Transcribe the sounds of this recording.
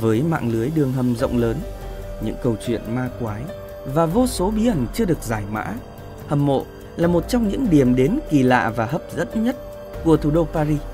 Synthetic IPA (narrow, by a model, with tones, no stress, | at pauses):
vəː˨˦jma̰ː˧˨ŋlɨ˨˦əjɗɨ˨˩əŋɦə˨˩mzə̰˧˨wŋ͡mləː˨˦nɲɨ̰˧˥ŋkə˧wt͡ɕwḭ˧˨ənmaː˧kwaː˨˦j | vaː˨˩vo˧so˨˦ɓi˨˦ʔə˨˩nt͡ɕɨ˧əɗɨ˨˩ək̚zaː˧˩jma̰ː˧˥ | hə˨˩mːo̰˧˨ | laː˨˩mo˨˩t̚t͡ɕɔ˧wŋ͡mɲɨ̰˧˥ŋɗi˨˩əmɗe˨˦nki˨˩la̰ː˧˨vaː˨˩ɦəː˦˥p̚zə˦˥t̚ɲə˦˥t̚ | ku˧˩ət̪ʰu˨˩ɗo˧paː˧zi˧